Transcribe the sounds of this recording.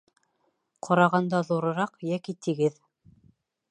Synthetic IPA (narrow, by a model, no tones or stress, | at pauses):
qʰŏɾɑʁɑnd̪ɑðuɾɤ̆ɾɑqjækit̪iɡɘð